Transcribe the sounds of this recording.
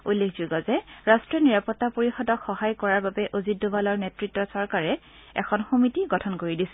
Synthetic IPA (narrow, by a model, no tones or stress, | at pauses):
ulːekʰz̥oɡɔzɛɹastɹiɔniɹapɔtːapoɹixɔdɔkxɔɦajkɔɹaɹbabɛʔozitdobalɔɹnɛtɹitːɔsɔɹkaɹɛ | ɛ̰kʰɔnxomitiɡɔtʰɔnkoɹidisɛ